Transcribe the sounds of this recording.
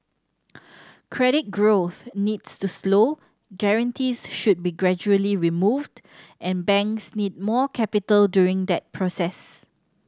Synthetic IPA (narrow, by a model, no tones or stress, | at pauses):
kʰɹɛɾɪt̚ɡɹoθnidstuslo | ɡɛɹə̃ntʰisʃud̚biɡɹɛd͡ʒuəliɹimuvd | ʔɛ̃nbɛ̃ŋksnid̚mɔkʰɛpitəldjuɹɪ̃ŋd̪ɛt̚pʰɹɔsɛs